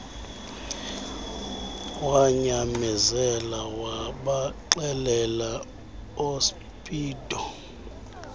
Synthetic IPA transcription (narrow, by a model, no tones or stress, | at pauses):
waɲamɛzɛlawaɓaǃɛlɛla | os | pʰʼiːdʱʼɔ